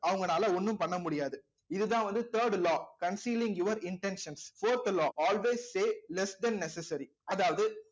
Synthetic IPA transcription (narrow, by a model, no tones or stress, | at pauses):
ɐʋɐŋɡɐnaːlɐʊnːɯmpɐɳːɐmʊɽɪjaːðɯ | ɪðɯt̪ãːʋɐnd̪ɯt̪əːɾɖlɔːkɐnsiːlɪ̃ŋjuːʋɐɾɪɳʈɛnʃɐnsfoːɾt̪lɔːʔaːlʋeːsːeːlɛsd̪ɛnːɛsɛsɐɾi | ɐðaːʋɐðɯ